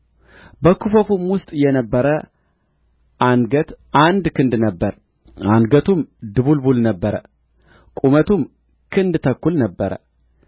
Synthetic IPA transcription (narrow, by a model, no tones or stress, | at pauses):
bəkʰufəfumwʊst̪ʼjɛnəbːəɾə | ʔanɡət̪ʔand̪kʰɨnd̪nəbːəɾ | anɡət̪ʰumd̪ɨβulbulnəbːəɾə | kʼumət̪ʰum | kʰɨnd̪t̪ʰəkːulnəbːəɾə̰